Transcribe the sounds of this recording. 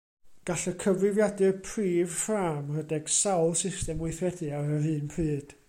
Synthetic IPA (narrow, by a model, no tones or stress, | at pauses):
ɡ̥aɬəkʰəvrɪvjadɨpʰriːv̥fraːmrədɛɡ̥sawlˠsɪstɛmwɪθwɛdɨaɾəɦɨːnpʰrɨːd̥